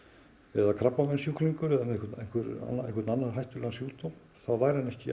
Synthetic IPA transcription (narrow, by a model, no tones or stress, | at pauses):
ɛðakʰɾapːamɛnsjukliŋkʏɾɛðamɛekʰʏɾt̪nejn̥kʰvʏɾa̰neŋkvʏɾt̪nanːaɾɦajht̪ʏlɛɣansjuːt̪om | θawvaːjɾhanɛhcɪ